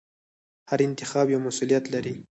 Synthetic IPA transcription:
haɾɪnt̪ɪxɑbjawmasulijat̪laɾi

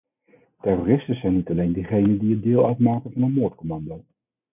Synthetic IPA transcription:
tɛrorɪstəzɛjnitɑlejndiχejnəndiət̚dɪːlˠœɥtmaːkənvɑnənmoːɹtkɔmɑndow

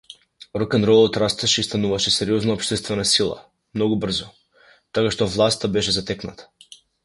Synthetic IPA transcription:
ɾɔkɛnɾɔlˠɔt̪ɾast̪ɛʃɛist̪anuvaʃɛsɛɾiɔznaɔpʃt̪ɛst̪vɛnasilˠa̰ | mnɔɡubr̩zɔ | t̪akaʃt̪ɔvlˠast̪abɛʃɛzat̪ɛkna̰t̪ḁ

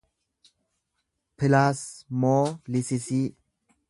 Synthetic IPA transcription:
pɪlasmoːlɪsɪsiː

